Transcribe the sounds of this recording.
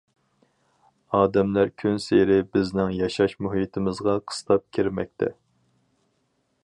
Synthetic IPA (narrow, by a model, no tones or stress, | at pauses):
ɑːd̪ɛmlæɾkʲʰynseɾɪbɪznɪŋjɑʃɑʃmuɦit̪ʰɪmɪzʁɑqʰə̥st̪ʰɑp̚kʲʰiɾmɛ̰k̚ʲt̪ʰɛ̰